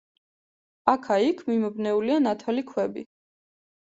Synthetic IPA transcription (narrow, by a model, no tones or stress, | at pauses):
akʰaikʰmimɔbnɛulianat̪ʰɛlikʰwɛbḭ